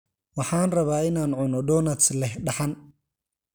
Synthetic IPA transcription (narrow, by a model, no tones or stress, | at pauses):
wɑħɑːnrɐβaːɪnaːnʕʊnɔɖɔːnɐt̪slɛhɖɑħan